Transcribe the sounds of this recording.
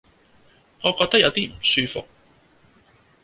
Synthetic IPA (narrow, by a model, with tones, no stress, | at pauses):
ŋɔː˨˧kɔː˧t̪ɐ˥k̚jɐ˨˧wt̪iː˥m̩˨˩syː˧fʊ˨k̚